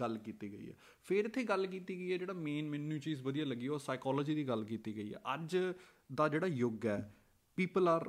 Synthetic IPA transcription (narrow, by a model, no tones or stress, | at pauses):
ɡəlkiːt̪iːɡəḭːɛ̰ː | pʰɪɾɪt̪ʰːeːɡəlk̬iːt̪iːɡəiːɛːd͡ʒeːɽaːmeːnmɪnːũːt͡ʃiːzʋəd̪ijaːləɡiːɛoːsaːɪkɔːlɔːd͡ʒiːd̪iːɡəlkiːt̪iːɡəiːɛ̰ːʔəd͡ʒ | d̪aːd͡ʒeːɽaːjoɡɛː | piːpəlaːɾ